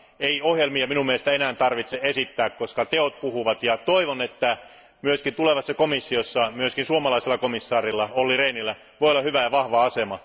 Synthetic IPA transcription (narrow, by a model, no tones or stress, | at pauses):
eiohjelmiɑminumːeest̪æenæːnt̪ɑrʋit̪seesit̪ːæːkkoskɑt̪eot̪̚puhuʋɑt̪jɑt̪oiʋonet̪ːæ | myøskint̪uleʋɑsːɑkomisːiosːɑmyøskinsuomɑlɑiselːɑkomisːɑːrilːɑolːireːnilːæ | ʋoijolːɑhyʋæjɑʋɑhʋɑɑsemɑ